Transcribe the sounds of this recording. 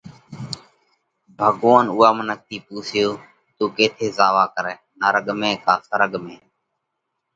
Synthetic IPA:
bʱəɠoːnuːaːmənək̚t̪iːpuːsjoː | t̪uːkeːt̪ʰeːzaːʋaːkəɾɛːnaːɾəɠmẽːkaːsəɾəɠmẽː

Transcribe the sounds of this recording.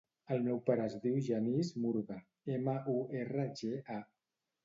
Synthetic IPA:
əlˠmewpaɾəːzðiwʒənizmuɾɣə | eməʔuerəʒeʔa

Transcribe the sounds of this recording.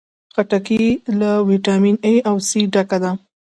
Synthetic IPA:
xaʈakilawiʈɑmineawsiɖakad̪a

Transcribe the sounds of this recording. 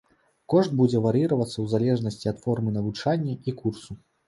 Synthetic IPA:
kɔʐt̪̚bud͡zʲɛvaɾiɾɐvɐt̪sːɐwzalʲɛʐnɐsʲt͡sʲiɐt̪fɔrmɨnɐvut͡ʂanʲːɐikursu

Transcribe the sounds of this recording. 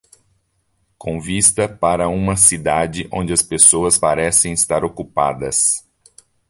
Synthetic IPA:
kʰõvist̪ɐpaɾɐũmɐsid̪ad͡ʒɪʔõ̰nd͡ʒɪɐspesoɐspaɾɛsẽj̃ist̪aɾokupa̰d̪ɐs

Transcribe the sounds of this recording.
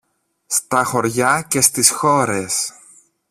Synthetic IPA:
st̪ɐxo̞ɾʝɐce̞st̪isxo̞ɾes

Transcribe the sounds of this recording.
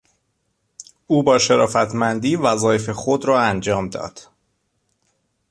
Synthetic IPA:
uːbɒːʃeɾɒːfæt̪ʰmænd̪iːvæzɒːjefe̞xod̪ɾɒːænd͡ʒɒːmd̪ɒ̰ːd̪̥

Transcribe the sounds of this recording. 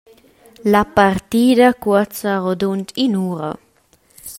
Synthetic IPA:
lapaɾt̪iːd̪akwɔt͡saʁod̪unt̪inuːɾa̰

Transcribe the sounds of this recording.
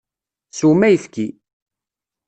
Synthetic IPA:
sumæjəfki

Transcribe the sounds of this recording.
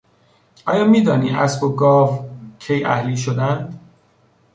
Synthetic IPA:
ʔɒːjɒːmiːd̪ɒːniːʔæsboɡɒːvcʰejæhliːʃ̬od̪ænd̪̥

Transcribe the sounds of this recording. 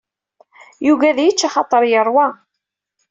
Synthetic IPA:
juɣæðjət͡ʃːaχɑt̪ˤːəɾˤjəɾˤwæ

